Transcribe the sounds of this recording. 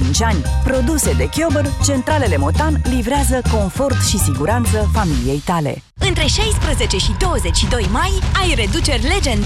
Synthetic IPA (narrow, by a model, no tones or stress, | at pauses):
int͡ʃʲanʲpɾo̞d̪use̞d̪e̞kʲo̞bərt͡ʃe̞nt̪ɾale̞le̞mo̞t̪anlivɾeazəko̞nfo̞rt̪ʃisiɡuɾant̪səfamilije̞jt̪ale̞̰ | ɨnt̪ɾe̞ʃajspɾəze̞t͡ʃe̞ʃid̪o̞wəze̞t͡ʃʲʃid̪o̞jmajajre̞d̪ut͡ʃe̞rʲle̞d͡ʒend̪